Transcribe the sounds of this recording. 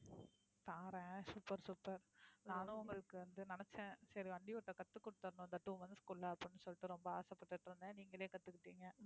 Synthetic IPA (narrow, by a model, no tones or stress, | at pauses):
t̪aːɾɛ̃ːsupːɐɾsupːɐɾnaːlʊ̃ʊŋɡɐɭɯkːɯʋɐnd̪ɯnɛnɛt͡ʃːɛ̃sɐɾiʋɐɳɖ̪ɪʋʊʈːɐkɐt̪ːɯkːʊɽɯt̪ːɐɾɐnʊ̃nd̪ɐʈːuʋɐnd̪ɯskuːllɐɐpːɽɪnːɯsɔlːɪʈːɯɾɔmbɐaːsɐpːɐʈːɯʈːɯɾɯnd̪ɛ̃niːŋɡɐleːkɐt̪ːɯkːɪʈːiːŋɡɐ